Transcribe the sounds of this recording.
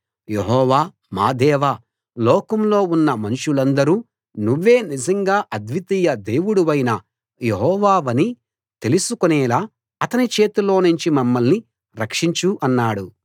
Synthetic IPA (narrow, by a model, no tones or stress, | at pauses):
jeɦɔːʋaː | ma̰ːd̪ɛːʋaː | lɔːkɐmlo̞ːunːɐmɐnuʂulɐnd̪ɐɾuː | nuʋːe̞ːnid͡ʒɐŋɡaːʔɐd̪ʋit̪ijɐd̪e̞ːwuɽuʋɐjnɐ | jeɦɔːʋaːʋɐni | t̪e̞lusukonɛːlaː | ɐt̪ɐnit͡ʃe̞ːt̪ulo̞ːnuɲt͡ʃimɐmːɐlni | ɾɐkʂiɲt͡ʃuʔɐnːaːɽu